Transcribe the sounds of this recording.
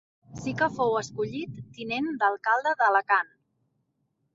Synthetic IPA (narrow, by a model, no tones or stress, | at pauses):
sikəfowəskuʎit̪ːinend̪əlˠkalˠd̪əðələkan